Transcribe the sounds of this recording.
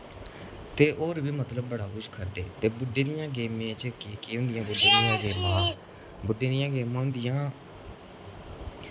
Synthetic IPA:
t̪eːʔoːɾʋiːmət̪ləbːəɽaːkʊʃkʰəɾd̪ḛːt̪eːbʊɖːeːd̪ɪjãːɡeːmẽːt͡ʃəkːkiɦʊ̃nd̪ɪjãːbʊɖːeːd̪ɪjãːɡeːmãː | bʊɖːeːd̪ɪjãːɡeːmãːɦʊnd̪ɪjãː

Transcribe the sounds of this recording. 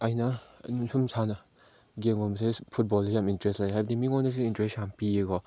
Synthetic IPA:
ajnɐnusumsanɐ | ɡeŋɡɔmsepʰut̚bɔlejamintɾestlajɦabdimiŋɔndas̬iintɾesampieɡɔ

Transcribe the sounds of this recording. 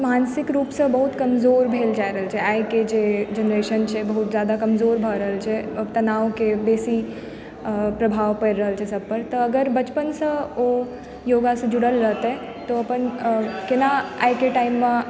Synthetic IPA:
maːnsɪkɾuːpsə̃bəɦut̪kəmzoːɾbʱeːld͡ʒaːjɾəɦəlt͡ʃʰeajked͡ʒed͡ʒənɾeːʃənt͡ʃʰebəɦut̪d͡ʒjaːd̪akəmzoːɾbʱəɾəɦəlt͡ʃʰeət̪ɐnaːʋkebeːsi | pɾɐbʱaːʋpəjɾɾəɦəlt͡ʃʰesəb̚pəɾt̪əːɡəɾbət͡ʃpənsə̃o | joːɡasə̃d͡ʒuɽəlɾəɦt̪e | t̪oɐpənkenaaːjkeʈaɪmːã

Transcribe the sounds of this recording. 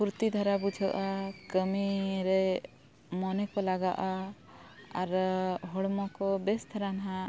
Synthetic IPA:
puɾt̪id̪ʱaɾabud͡ʒʱɔʔakəmiɾɛ | mɔnɛkɔlaɡaʔa | aɾɦɔɽmɔkɔbɛst̪ʰaɾanɦã

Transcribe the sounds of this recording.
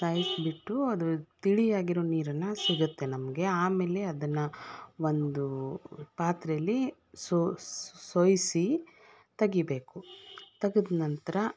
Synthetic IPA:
saːjisbiʈːuɐd̪ut̪iɭijaːɡiɾoːniːɾɐnːɐsiɡut̪ːe̞nɐmɐɡe̞aːmeːle̞ɐd̪ɐnːɐʋond̪upaːt̪ɾɐjɐlːi | sosojsi | t̪ɐɡibe̞ːkut̪ɐɡid̪nɐnt̪ɐɾɐ

